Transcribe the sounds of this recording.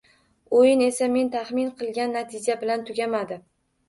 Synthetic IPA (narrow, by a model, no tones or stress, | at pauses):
ojɪne̞same̞nt̪ʰaχmɪnqʰɨlˠɡʲanːat̪ʰɪd͡ʒabɪlant̪ʰʊɡʲamad̪ɪ